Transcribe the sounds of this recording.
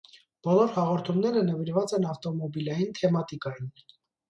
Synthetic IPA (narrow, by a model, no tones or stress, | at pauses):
b̥ɔlɔɾhɑʁɔɾt̪ʰumnɛɾənəviɾvɑt͡sɛnɑft̪ɔmɔbilɑjint̪ʰɛmɑt̪ikɑjin